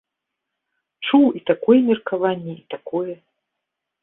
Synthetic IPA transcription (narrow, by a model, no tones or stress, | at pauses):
t͡ʂuwit̪akɔjɛmʲɛrkavanʲːɛit̪akɔjɛ